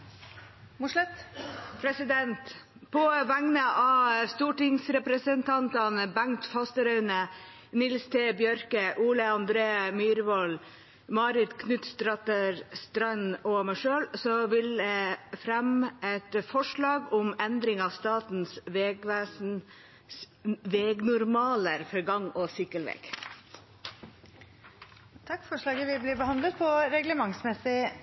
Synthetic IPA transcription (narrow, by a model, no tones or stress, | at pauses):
mʊʂlɛt̪pʰɾɛsɪd̪ɛnt̪ | pʰɔʋæŋnəʔɑst̪uːʈɪŋsɾɛpɾəsənt̪ʰɑnt̪ɑnbæŋt̪fɑst̪əɾœʉnə | nɪlst̪ʰɛbjœɾkəʔuːləɑnd̪ɾeːmyːɾʋɔl | mɑːɾɪt̪kʰnʉt̪st̪ɾɑt̪əɾst̪ɾɑnɔmɛʂøːlsɔʋɪld̪ɛfɾɛmʔɛt̪fɔʂɭɑːɡʊmɛnd̪ɾɪŋɑʋst̪ɑːt̪n̩sʋeɡʋæsn | ʋeːɡnʊɾmɑːləɾfɔɾɡɑŋɔsɪkːəlʋɛ̰ːɡ̥ | t̪ʰɑkːfɔʂɭɑːɡəʋɪbliːbəhɑnd̪lət̪̚pʰɔɾɛɡləmɑŋsmɛsɪ